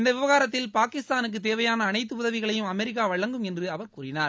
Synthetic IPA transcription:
ɪnd̪ɐʋɪʋɐɣaːɾɐt̪̬ːɪlpaːkɪst̪aːnɯk̬ːɯt̪̬eːʋɐjaːnɐːnɐɪt̪̬ːɯʊðɐʋɪɣɐɭɐjɯmɐmɛɾɪk̬ːaːʋɐɻɐŋɡɯmɛndrɯɐʋɐɾkuːrɪnaːɾ

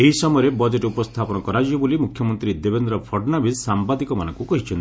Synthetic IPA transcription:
eɦisɔmɔjɾebɔd͡ʒeʈupɔst̪ʰapɔnɔkɔɾad͡ʒibolimukʰjɔmɔnt̪ɾid̪ebend̪ɾɔpʰɔɖnabissambad̪ikɔmanɔŋkukɔɦit͡ʃʰɔn

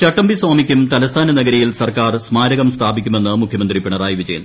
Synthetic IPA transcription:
t͡ɕɐʈːɐmbisaːmikʲːumt̪ɐlɐst̪ʰaːnɐnɐɡɐɾɐjilsɐrkaːrsmaːɾɐɣɐmst̪ʰaːbikʲːume̞nːɨmukʰjɐmɐnd̪ripiɳɐraːjiʋid͡ʑɐjɐn

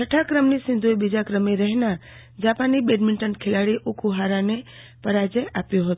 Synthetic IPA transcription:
t͡ʃʰəʈʰakɾəmnisɪ̃nd̪ʱuebid͡ʒakɾəmeɾəɦna | d͡ʒapanːibeɖmiɳʈənkʰelaɽiʔukʰuɦaɾãne | pəɾad͡ʒeapjõɦət̪o

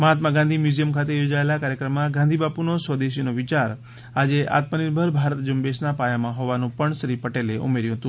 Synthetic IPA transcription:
məɦat̪maɡãnd̪ʱimjuzijəmkʰat̪ejod͡ʒaelakaɾjəkɾəmːãɡãnd̪ʱibapunosəd̪eʃinoʋɪt͡ʃaɾ | ad͡ʒeʔa̰t̪məniɾbʱəɾbʱaɾət̪d͡ʒumbeʃnapajamãɦoʋanũpəɳsɾipəʈeleʔṵmeɾjuɦət̪ũ

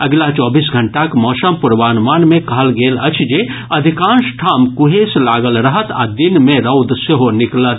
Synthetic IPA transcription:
ɐɡlat͡ʃɔːbiːs̬ɡʱɐɳʈakmɔːʃəmpʊɾʋaːnʋaːnmẽkɐɦəlɡeːlɐt͡ʃʰd͡ʒe | ɐd̪ʱɪkãːnʃʈʰaːmkʊɦeːslaːɡəlɾɐɦət̪a̰d̪ɪnmẽɾɐʊd̪seɦonɪklət̪

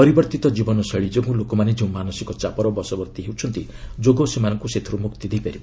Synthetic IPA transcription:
pɔɾibɔɾt̪it̪ɔd͡ʒibɔnɔseɭid͡ʒeɡũlokɔmaned͡ʒeũmanɔsikɔt͡ʃapɔɾɔbɔsɔbɔɾt̪iɦewt͡ʃʰɔnt̪i | d͡ʒoɡosemanɔŋkuset̪ʰɔɾumukt̪id̪ejpaɾib

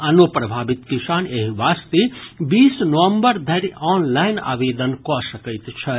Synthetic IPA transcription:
ɐnopɾɐbʱaːbit̪kisaːneɦiʋaːst̪ebiːsnəʋəmbəɾd̪ʱɐɾiɔːnlaɪna̰ːʋeːd̪ənkɔsəkəɪt̪t͡ʃʰə

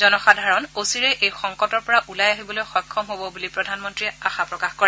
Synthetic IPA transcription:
zɔnɔxadʱaɹɔnosiɹɛʔejxɔŋkɔtɔɹpɔɹaʔulajaɦibɔlojxɔjkʰːɔmɦobɔbulipɹɔdʱanmɔntɹiaxapɹɔkaxkɔɹɛ

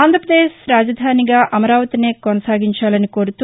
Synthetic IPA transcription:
aːnd̪ʱɾɐpɾɐd̪eːʃɾaːd͡ʒɐd̪ʱaːniɡaːʔʔɐmɐɾaːʋɐt̪ineːkɔnɐsaːɡiɲt͡ʃaːlɐniko̞ːɾut̪u

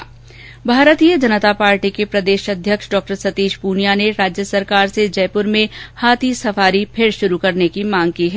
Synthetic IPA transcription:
bʱaːɾət̪iːjəd͡ʒɐnət̪apaːɾʈikepɾɐd̪eːʃɐd̪ʱjəkʃɖɔːk̚ʈəɾsɐt̪iːʃpuːnijaneɾaːd͡ʒjəsɐɾkaːɾsed͡ʒɛːpʊɾmẽhaːt̪ʰisɐfaːɾipʰeɾʃʊɾukɐɾnekimãːŋɡkiɦɛ

